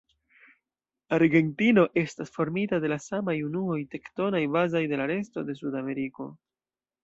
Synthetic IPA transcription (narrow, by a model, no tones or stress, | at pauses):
aɾɡe̞ntino̞ʔe̞stasfo̞ɾmitade̞lasamajunuo̞jte̞kto̞najbazajde̞laɾe̞sto̞̰de̞s̬udame̞ɾiko̞̰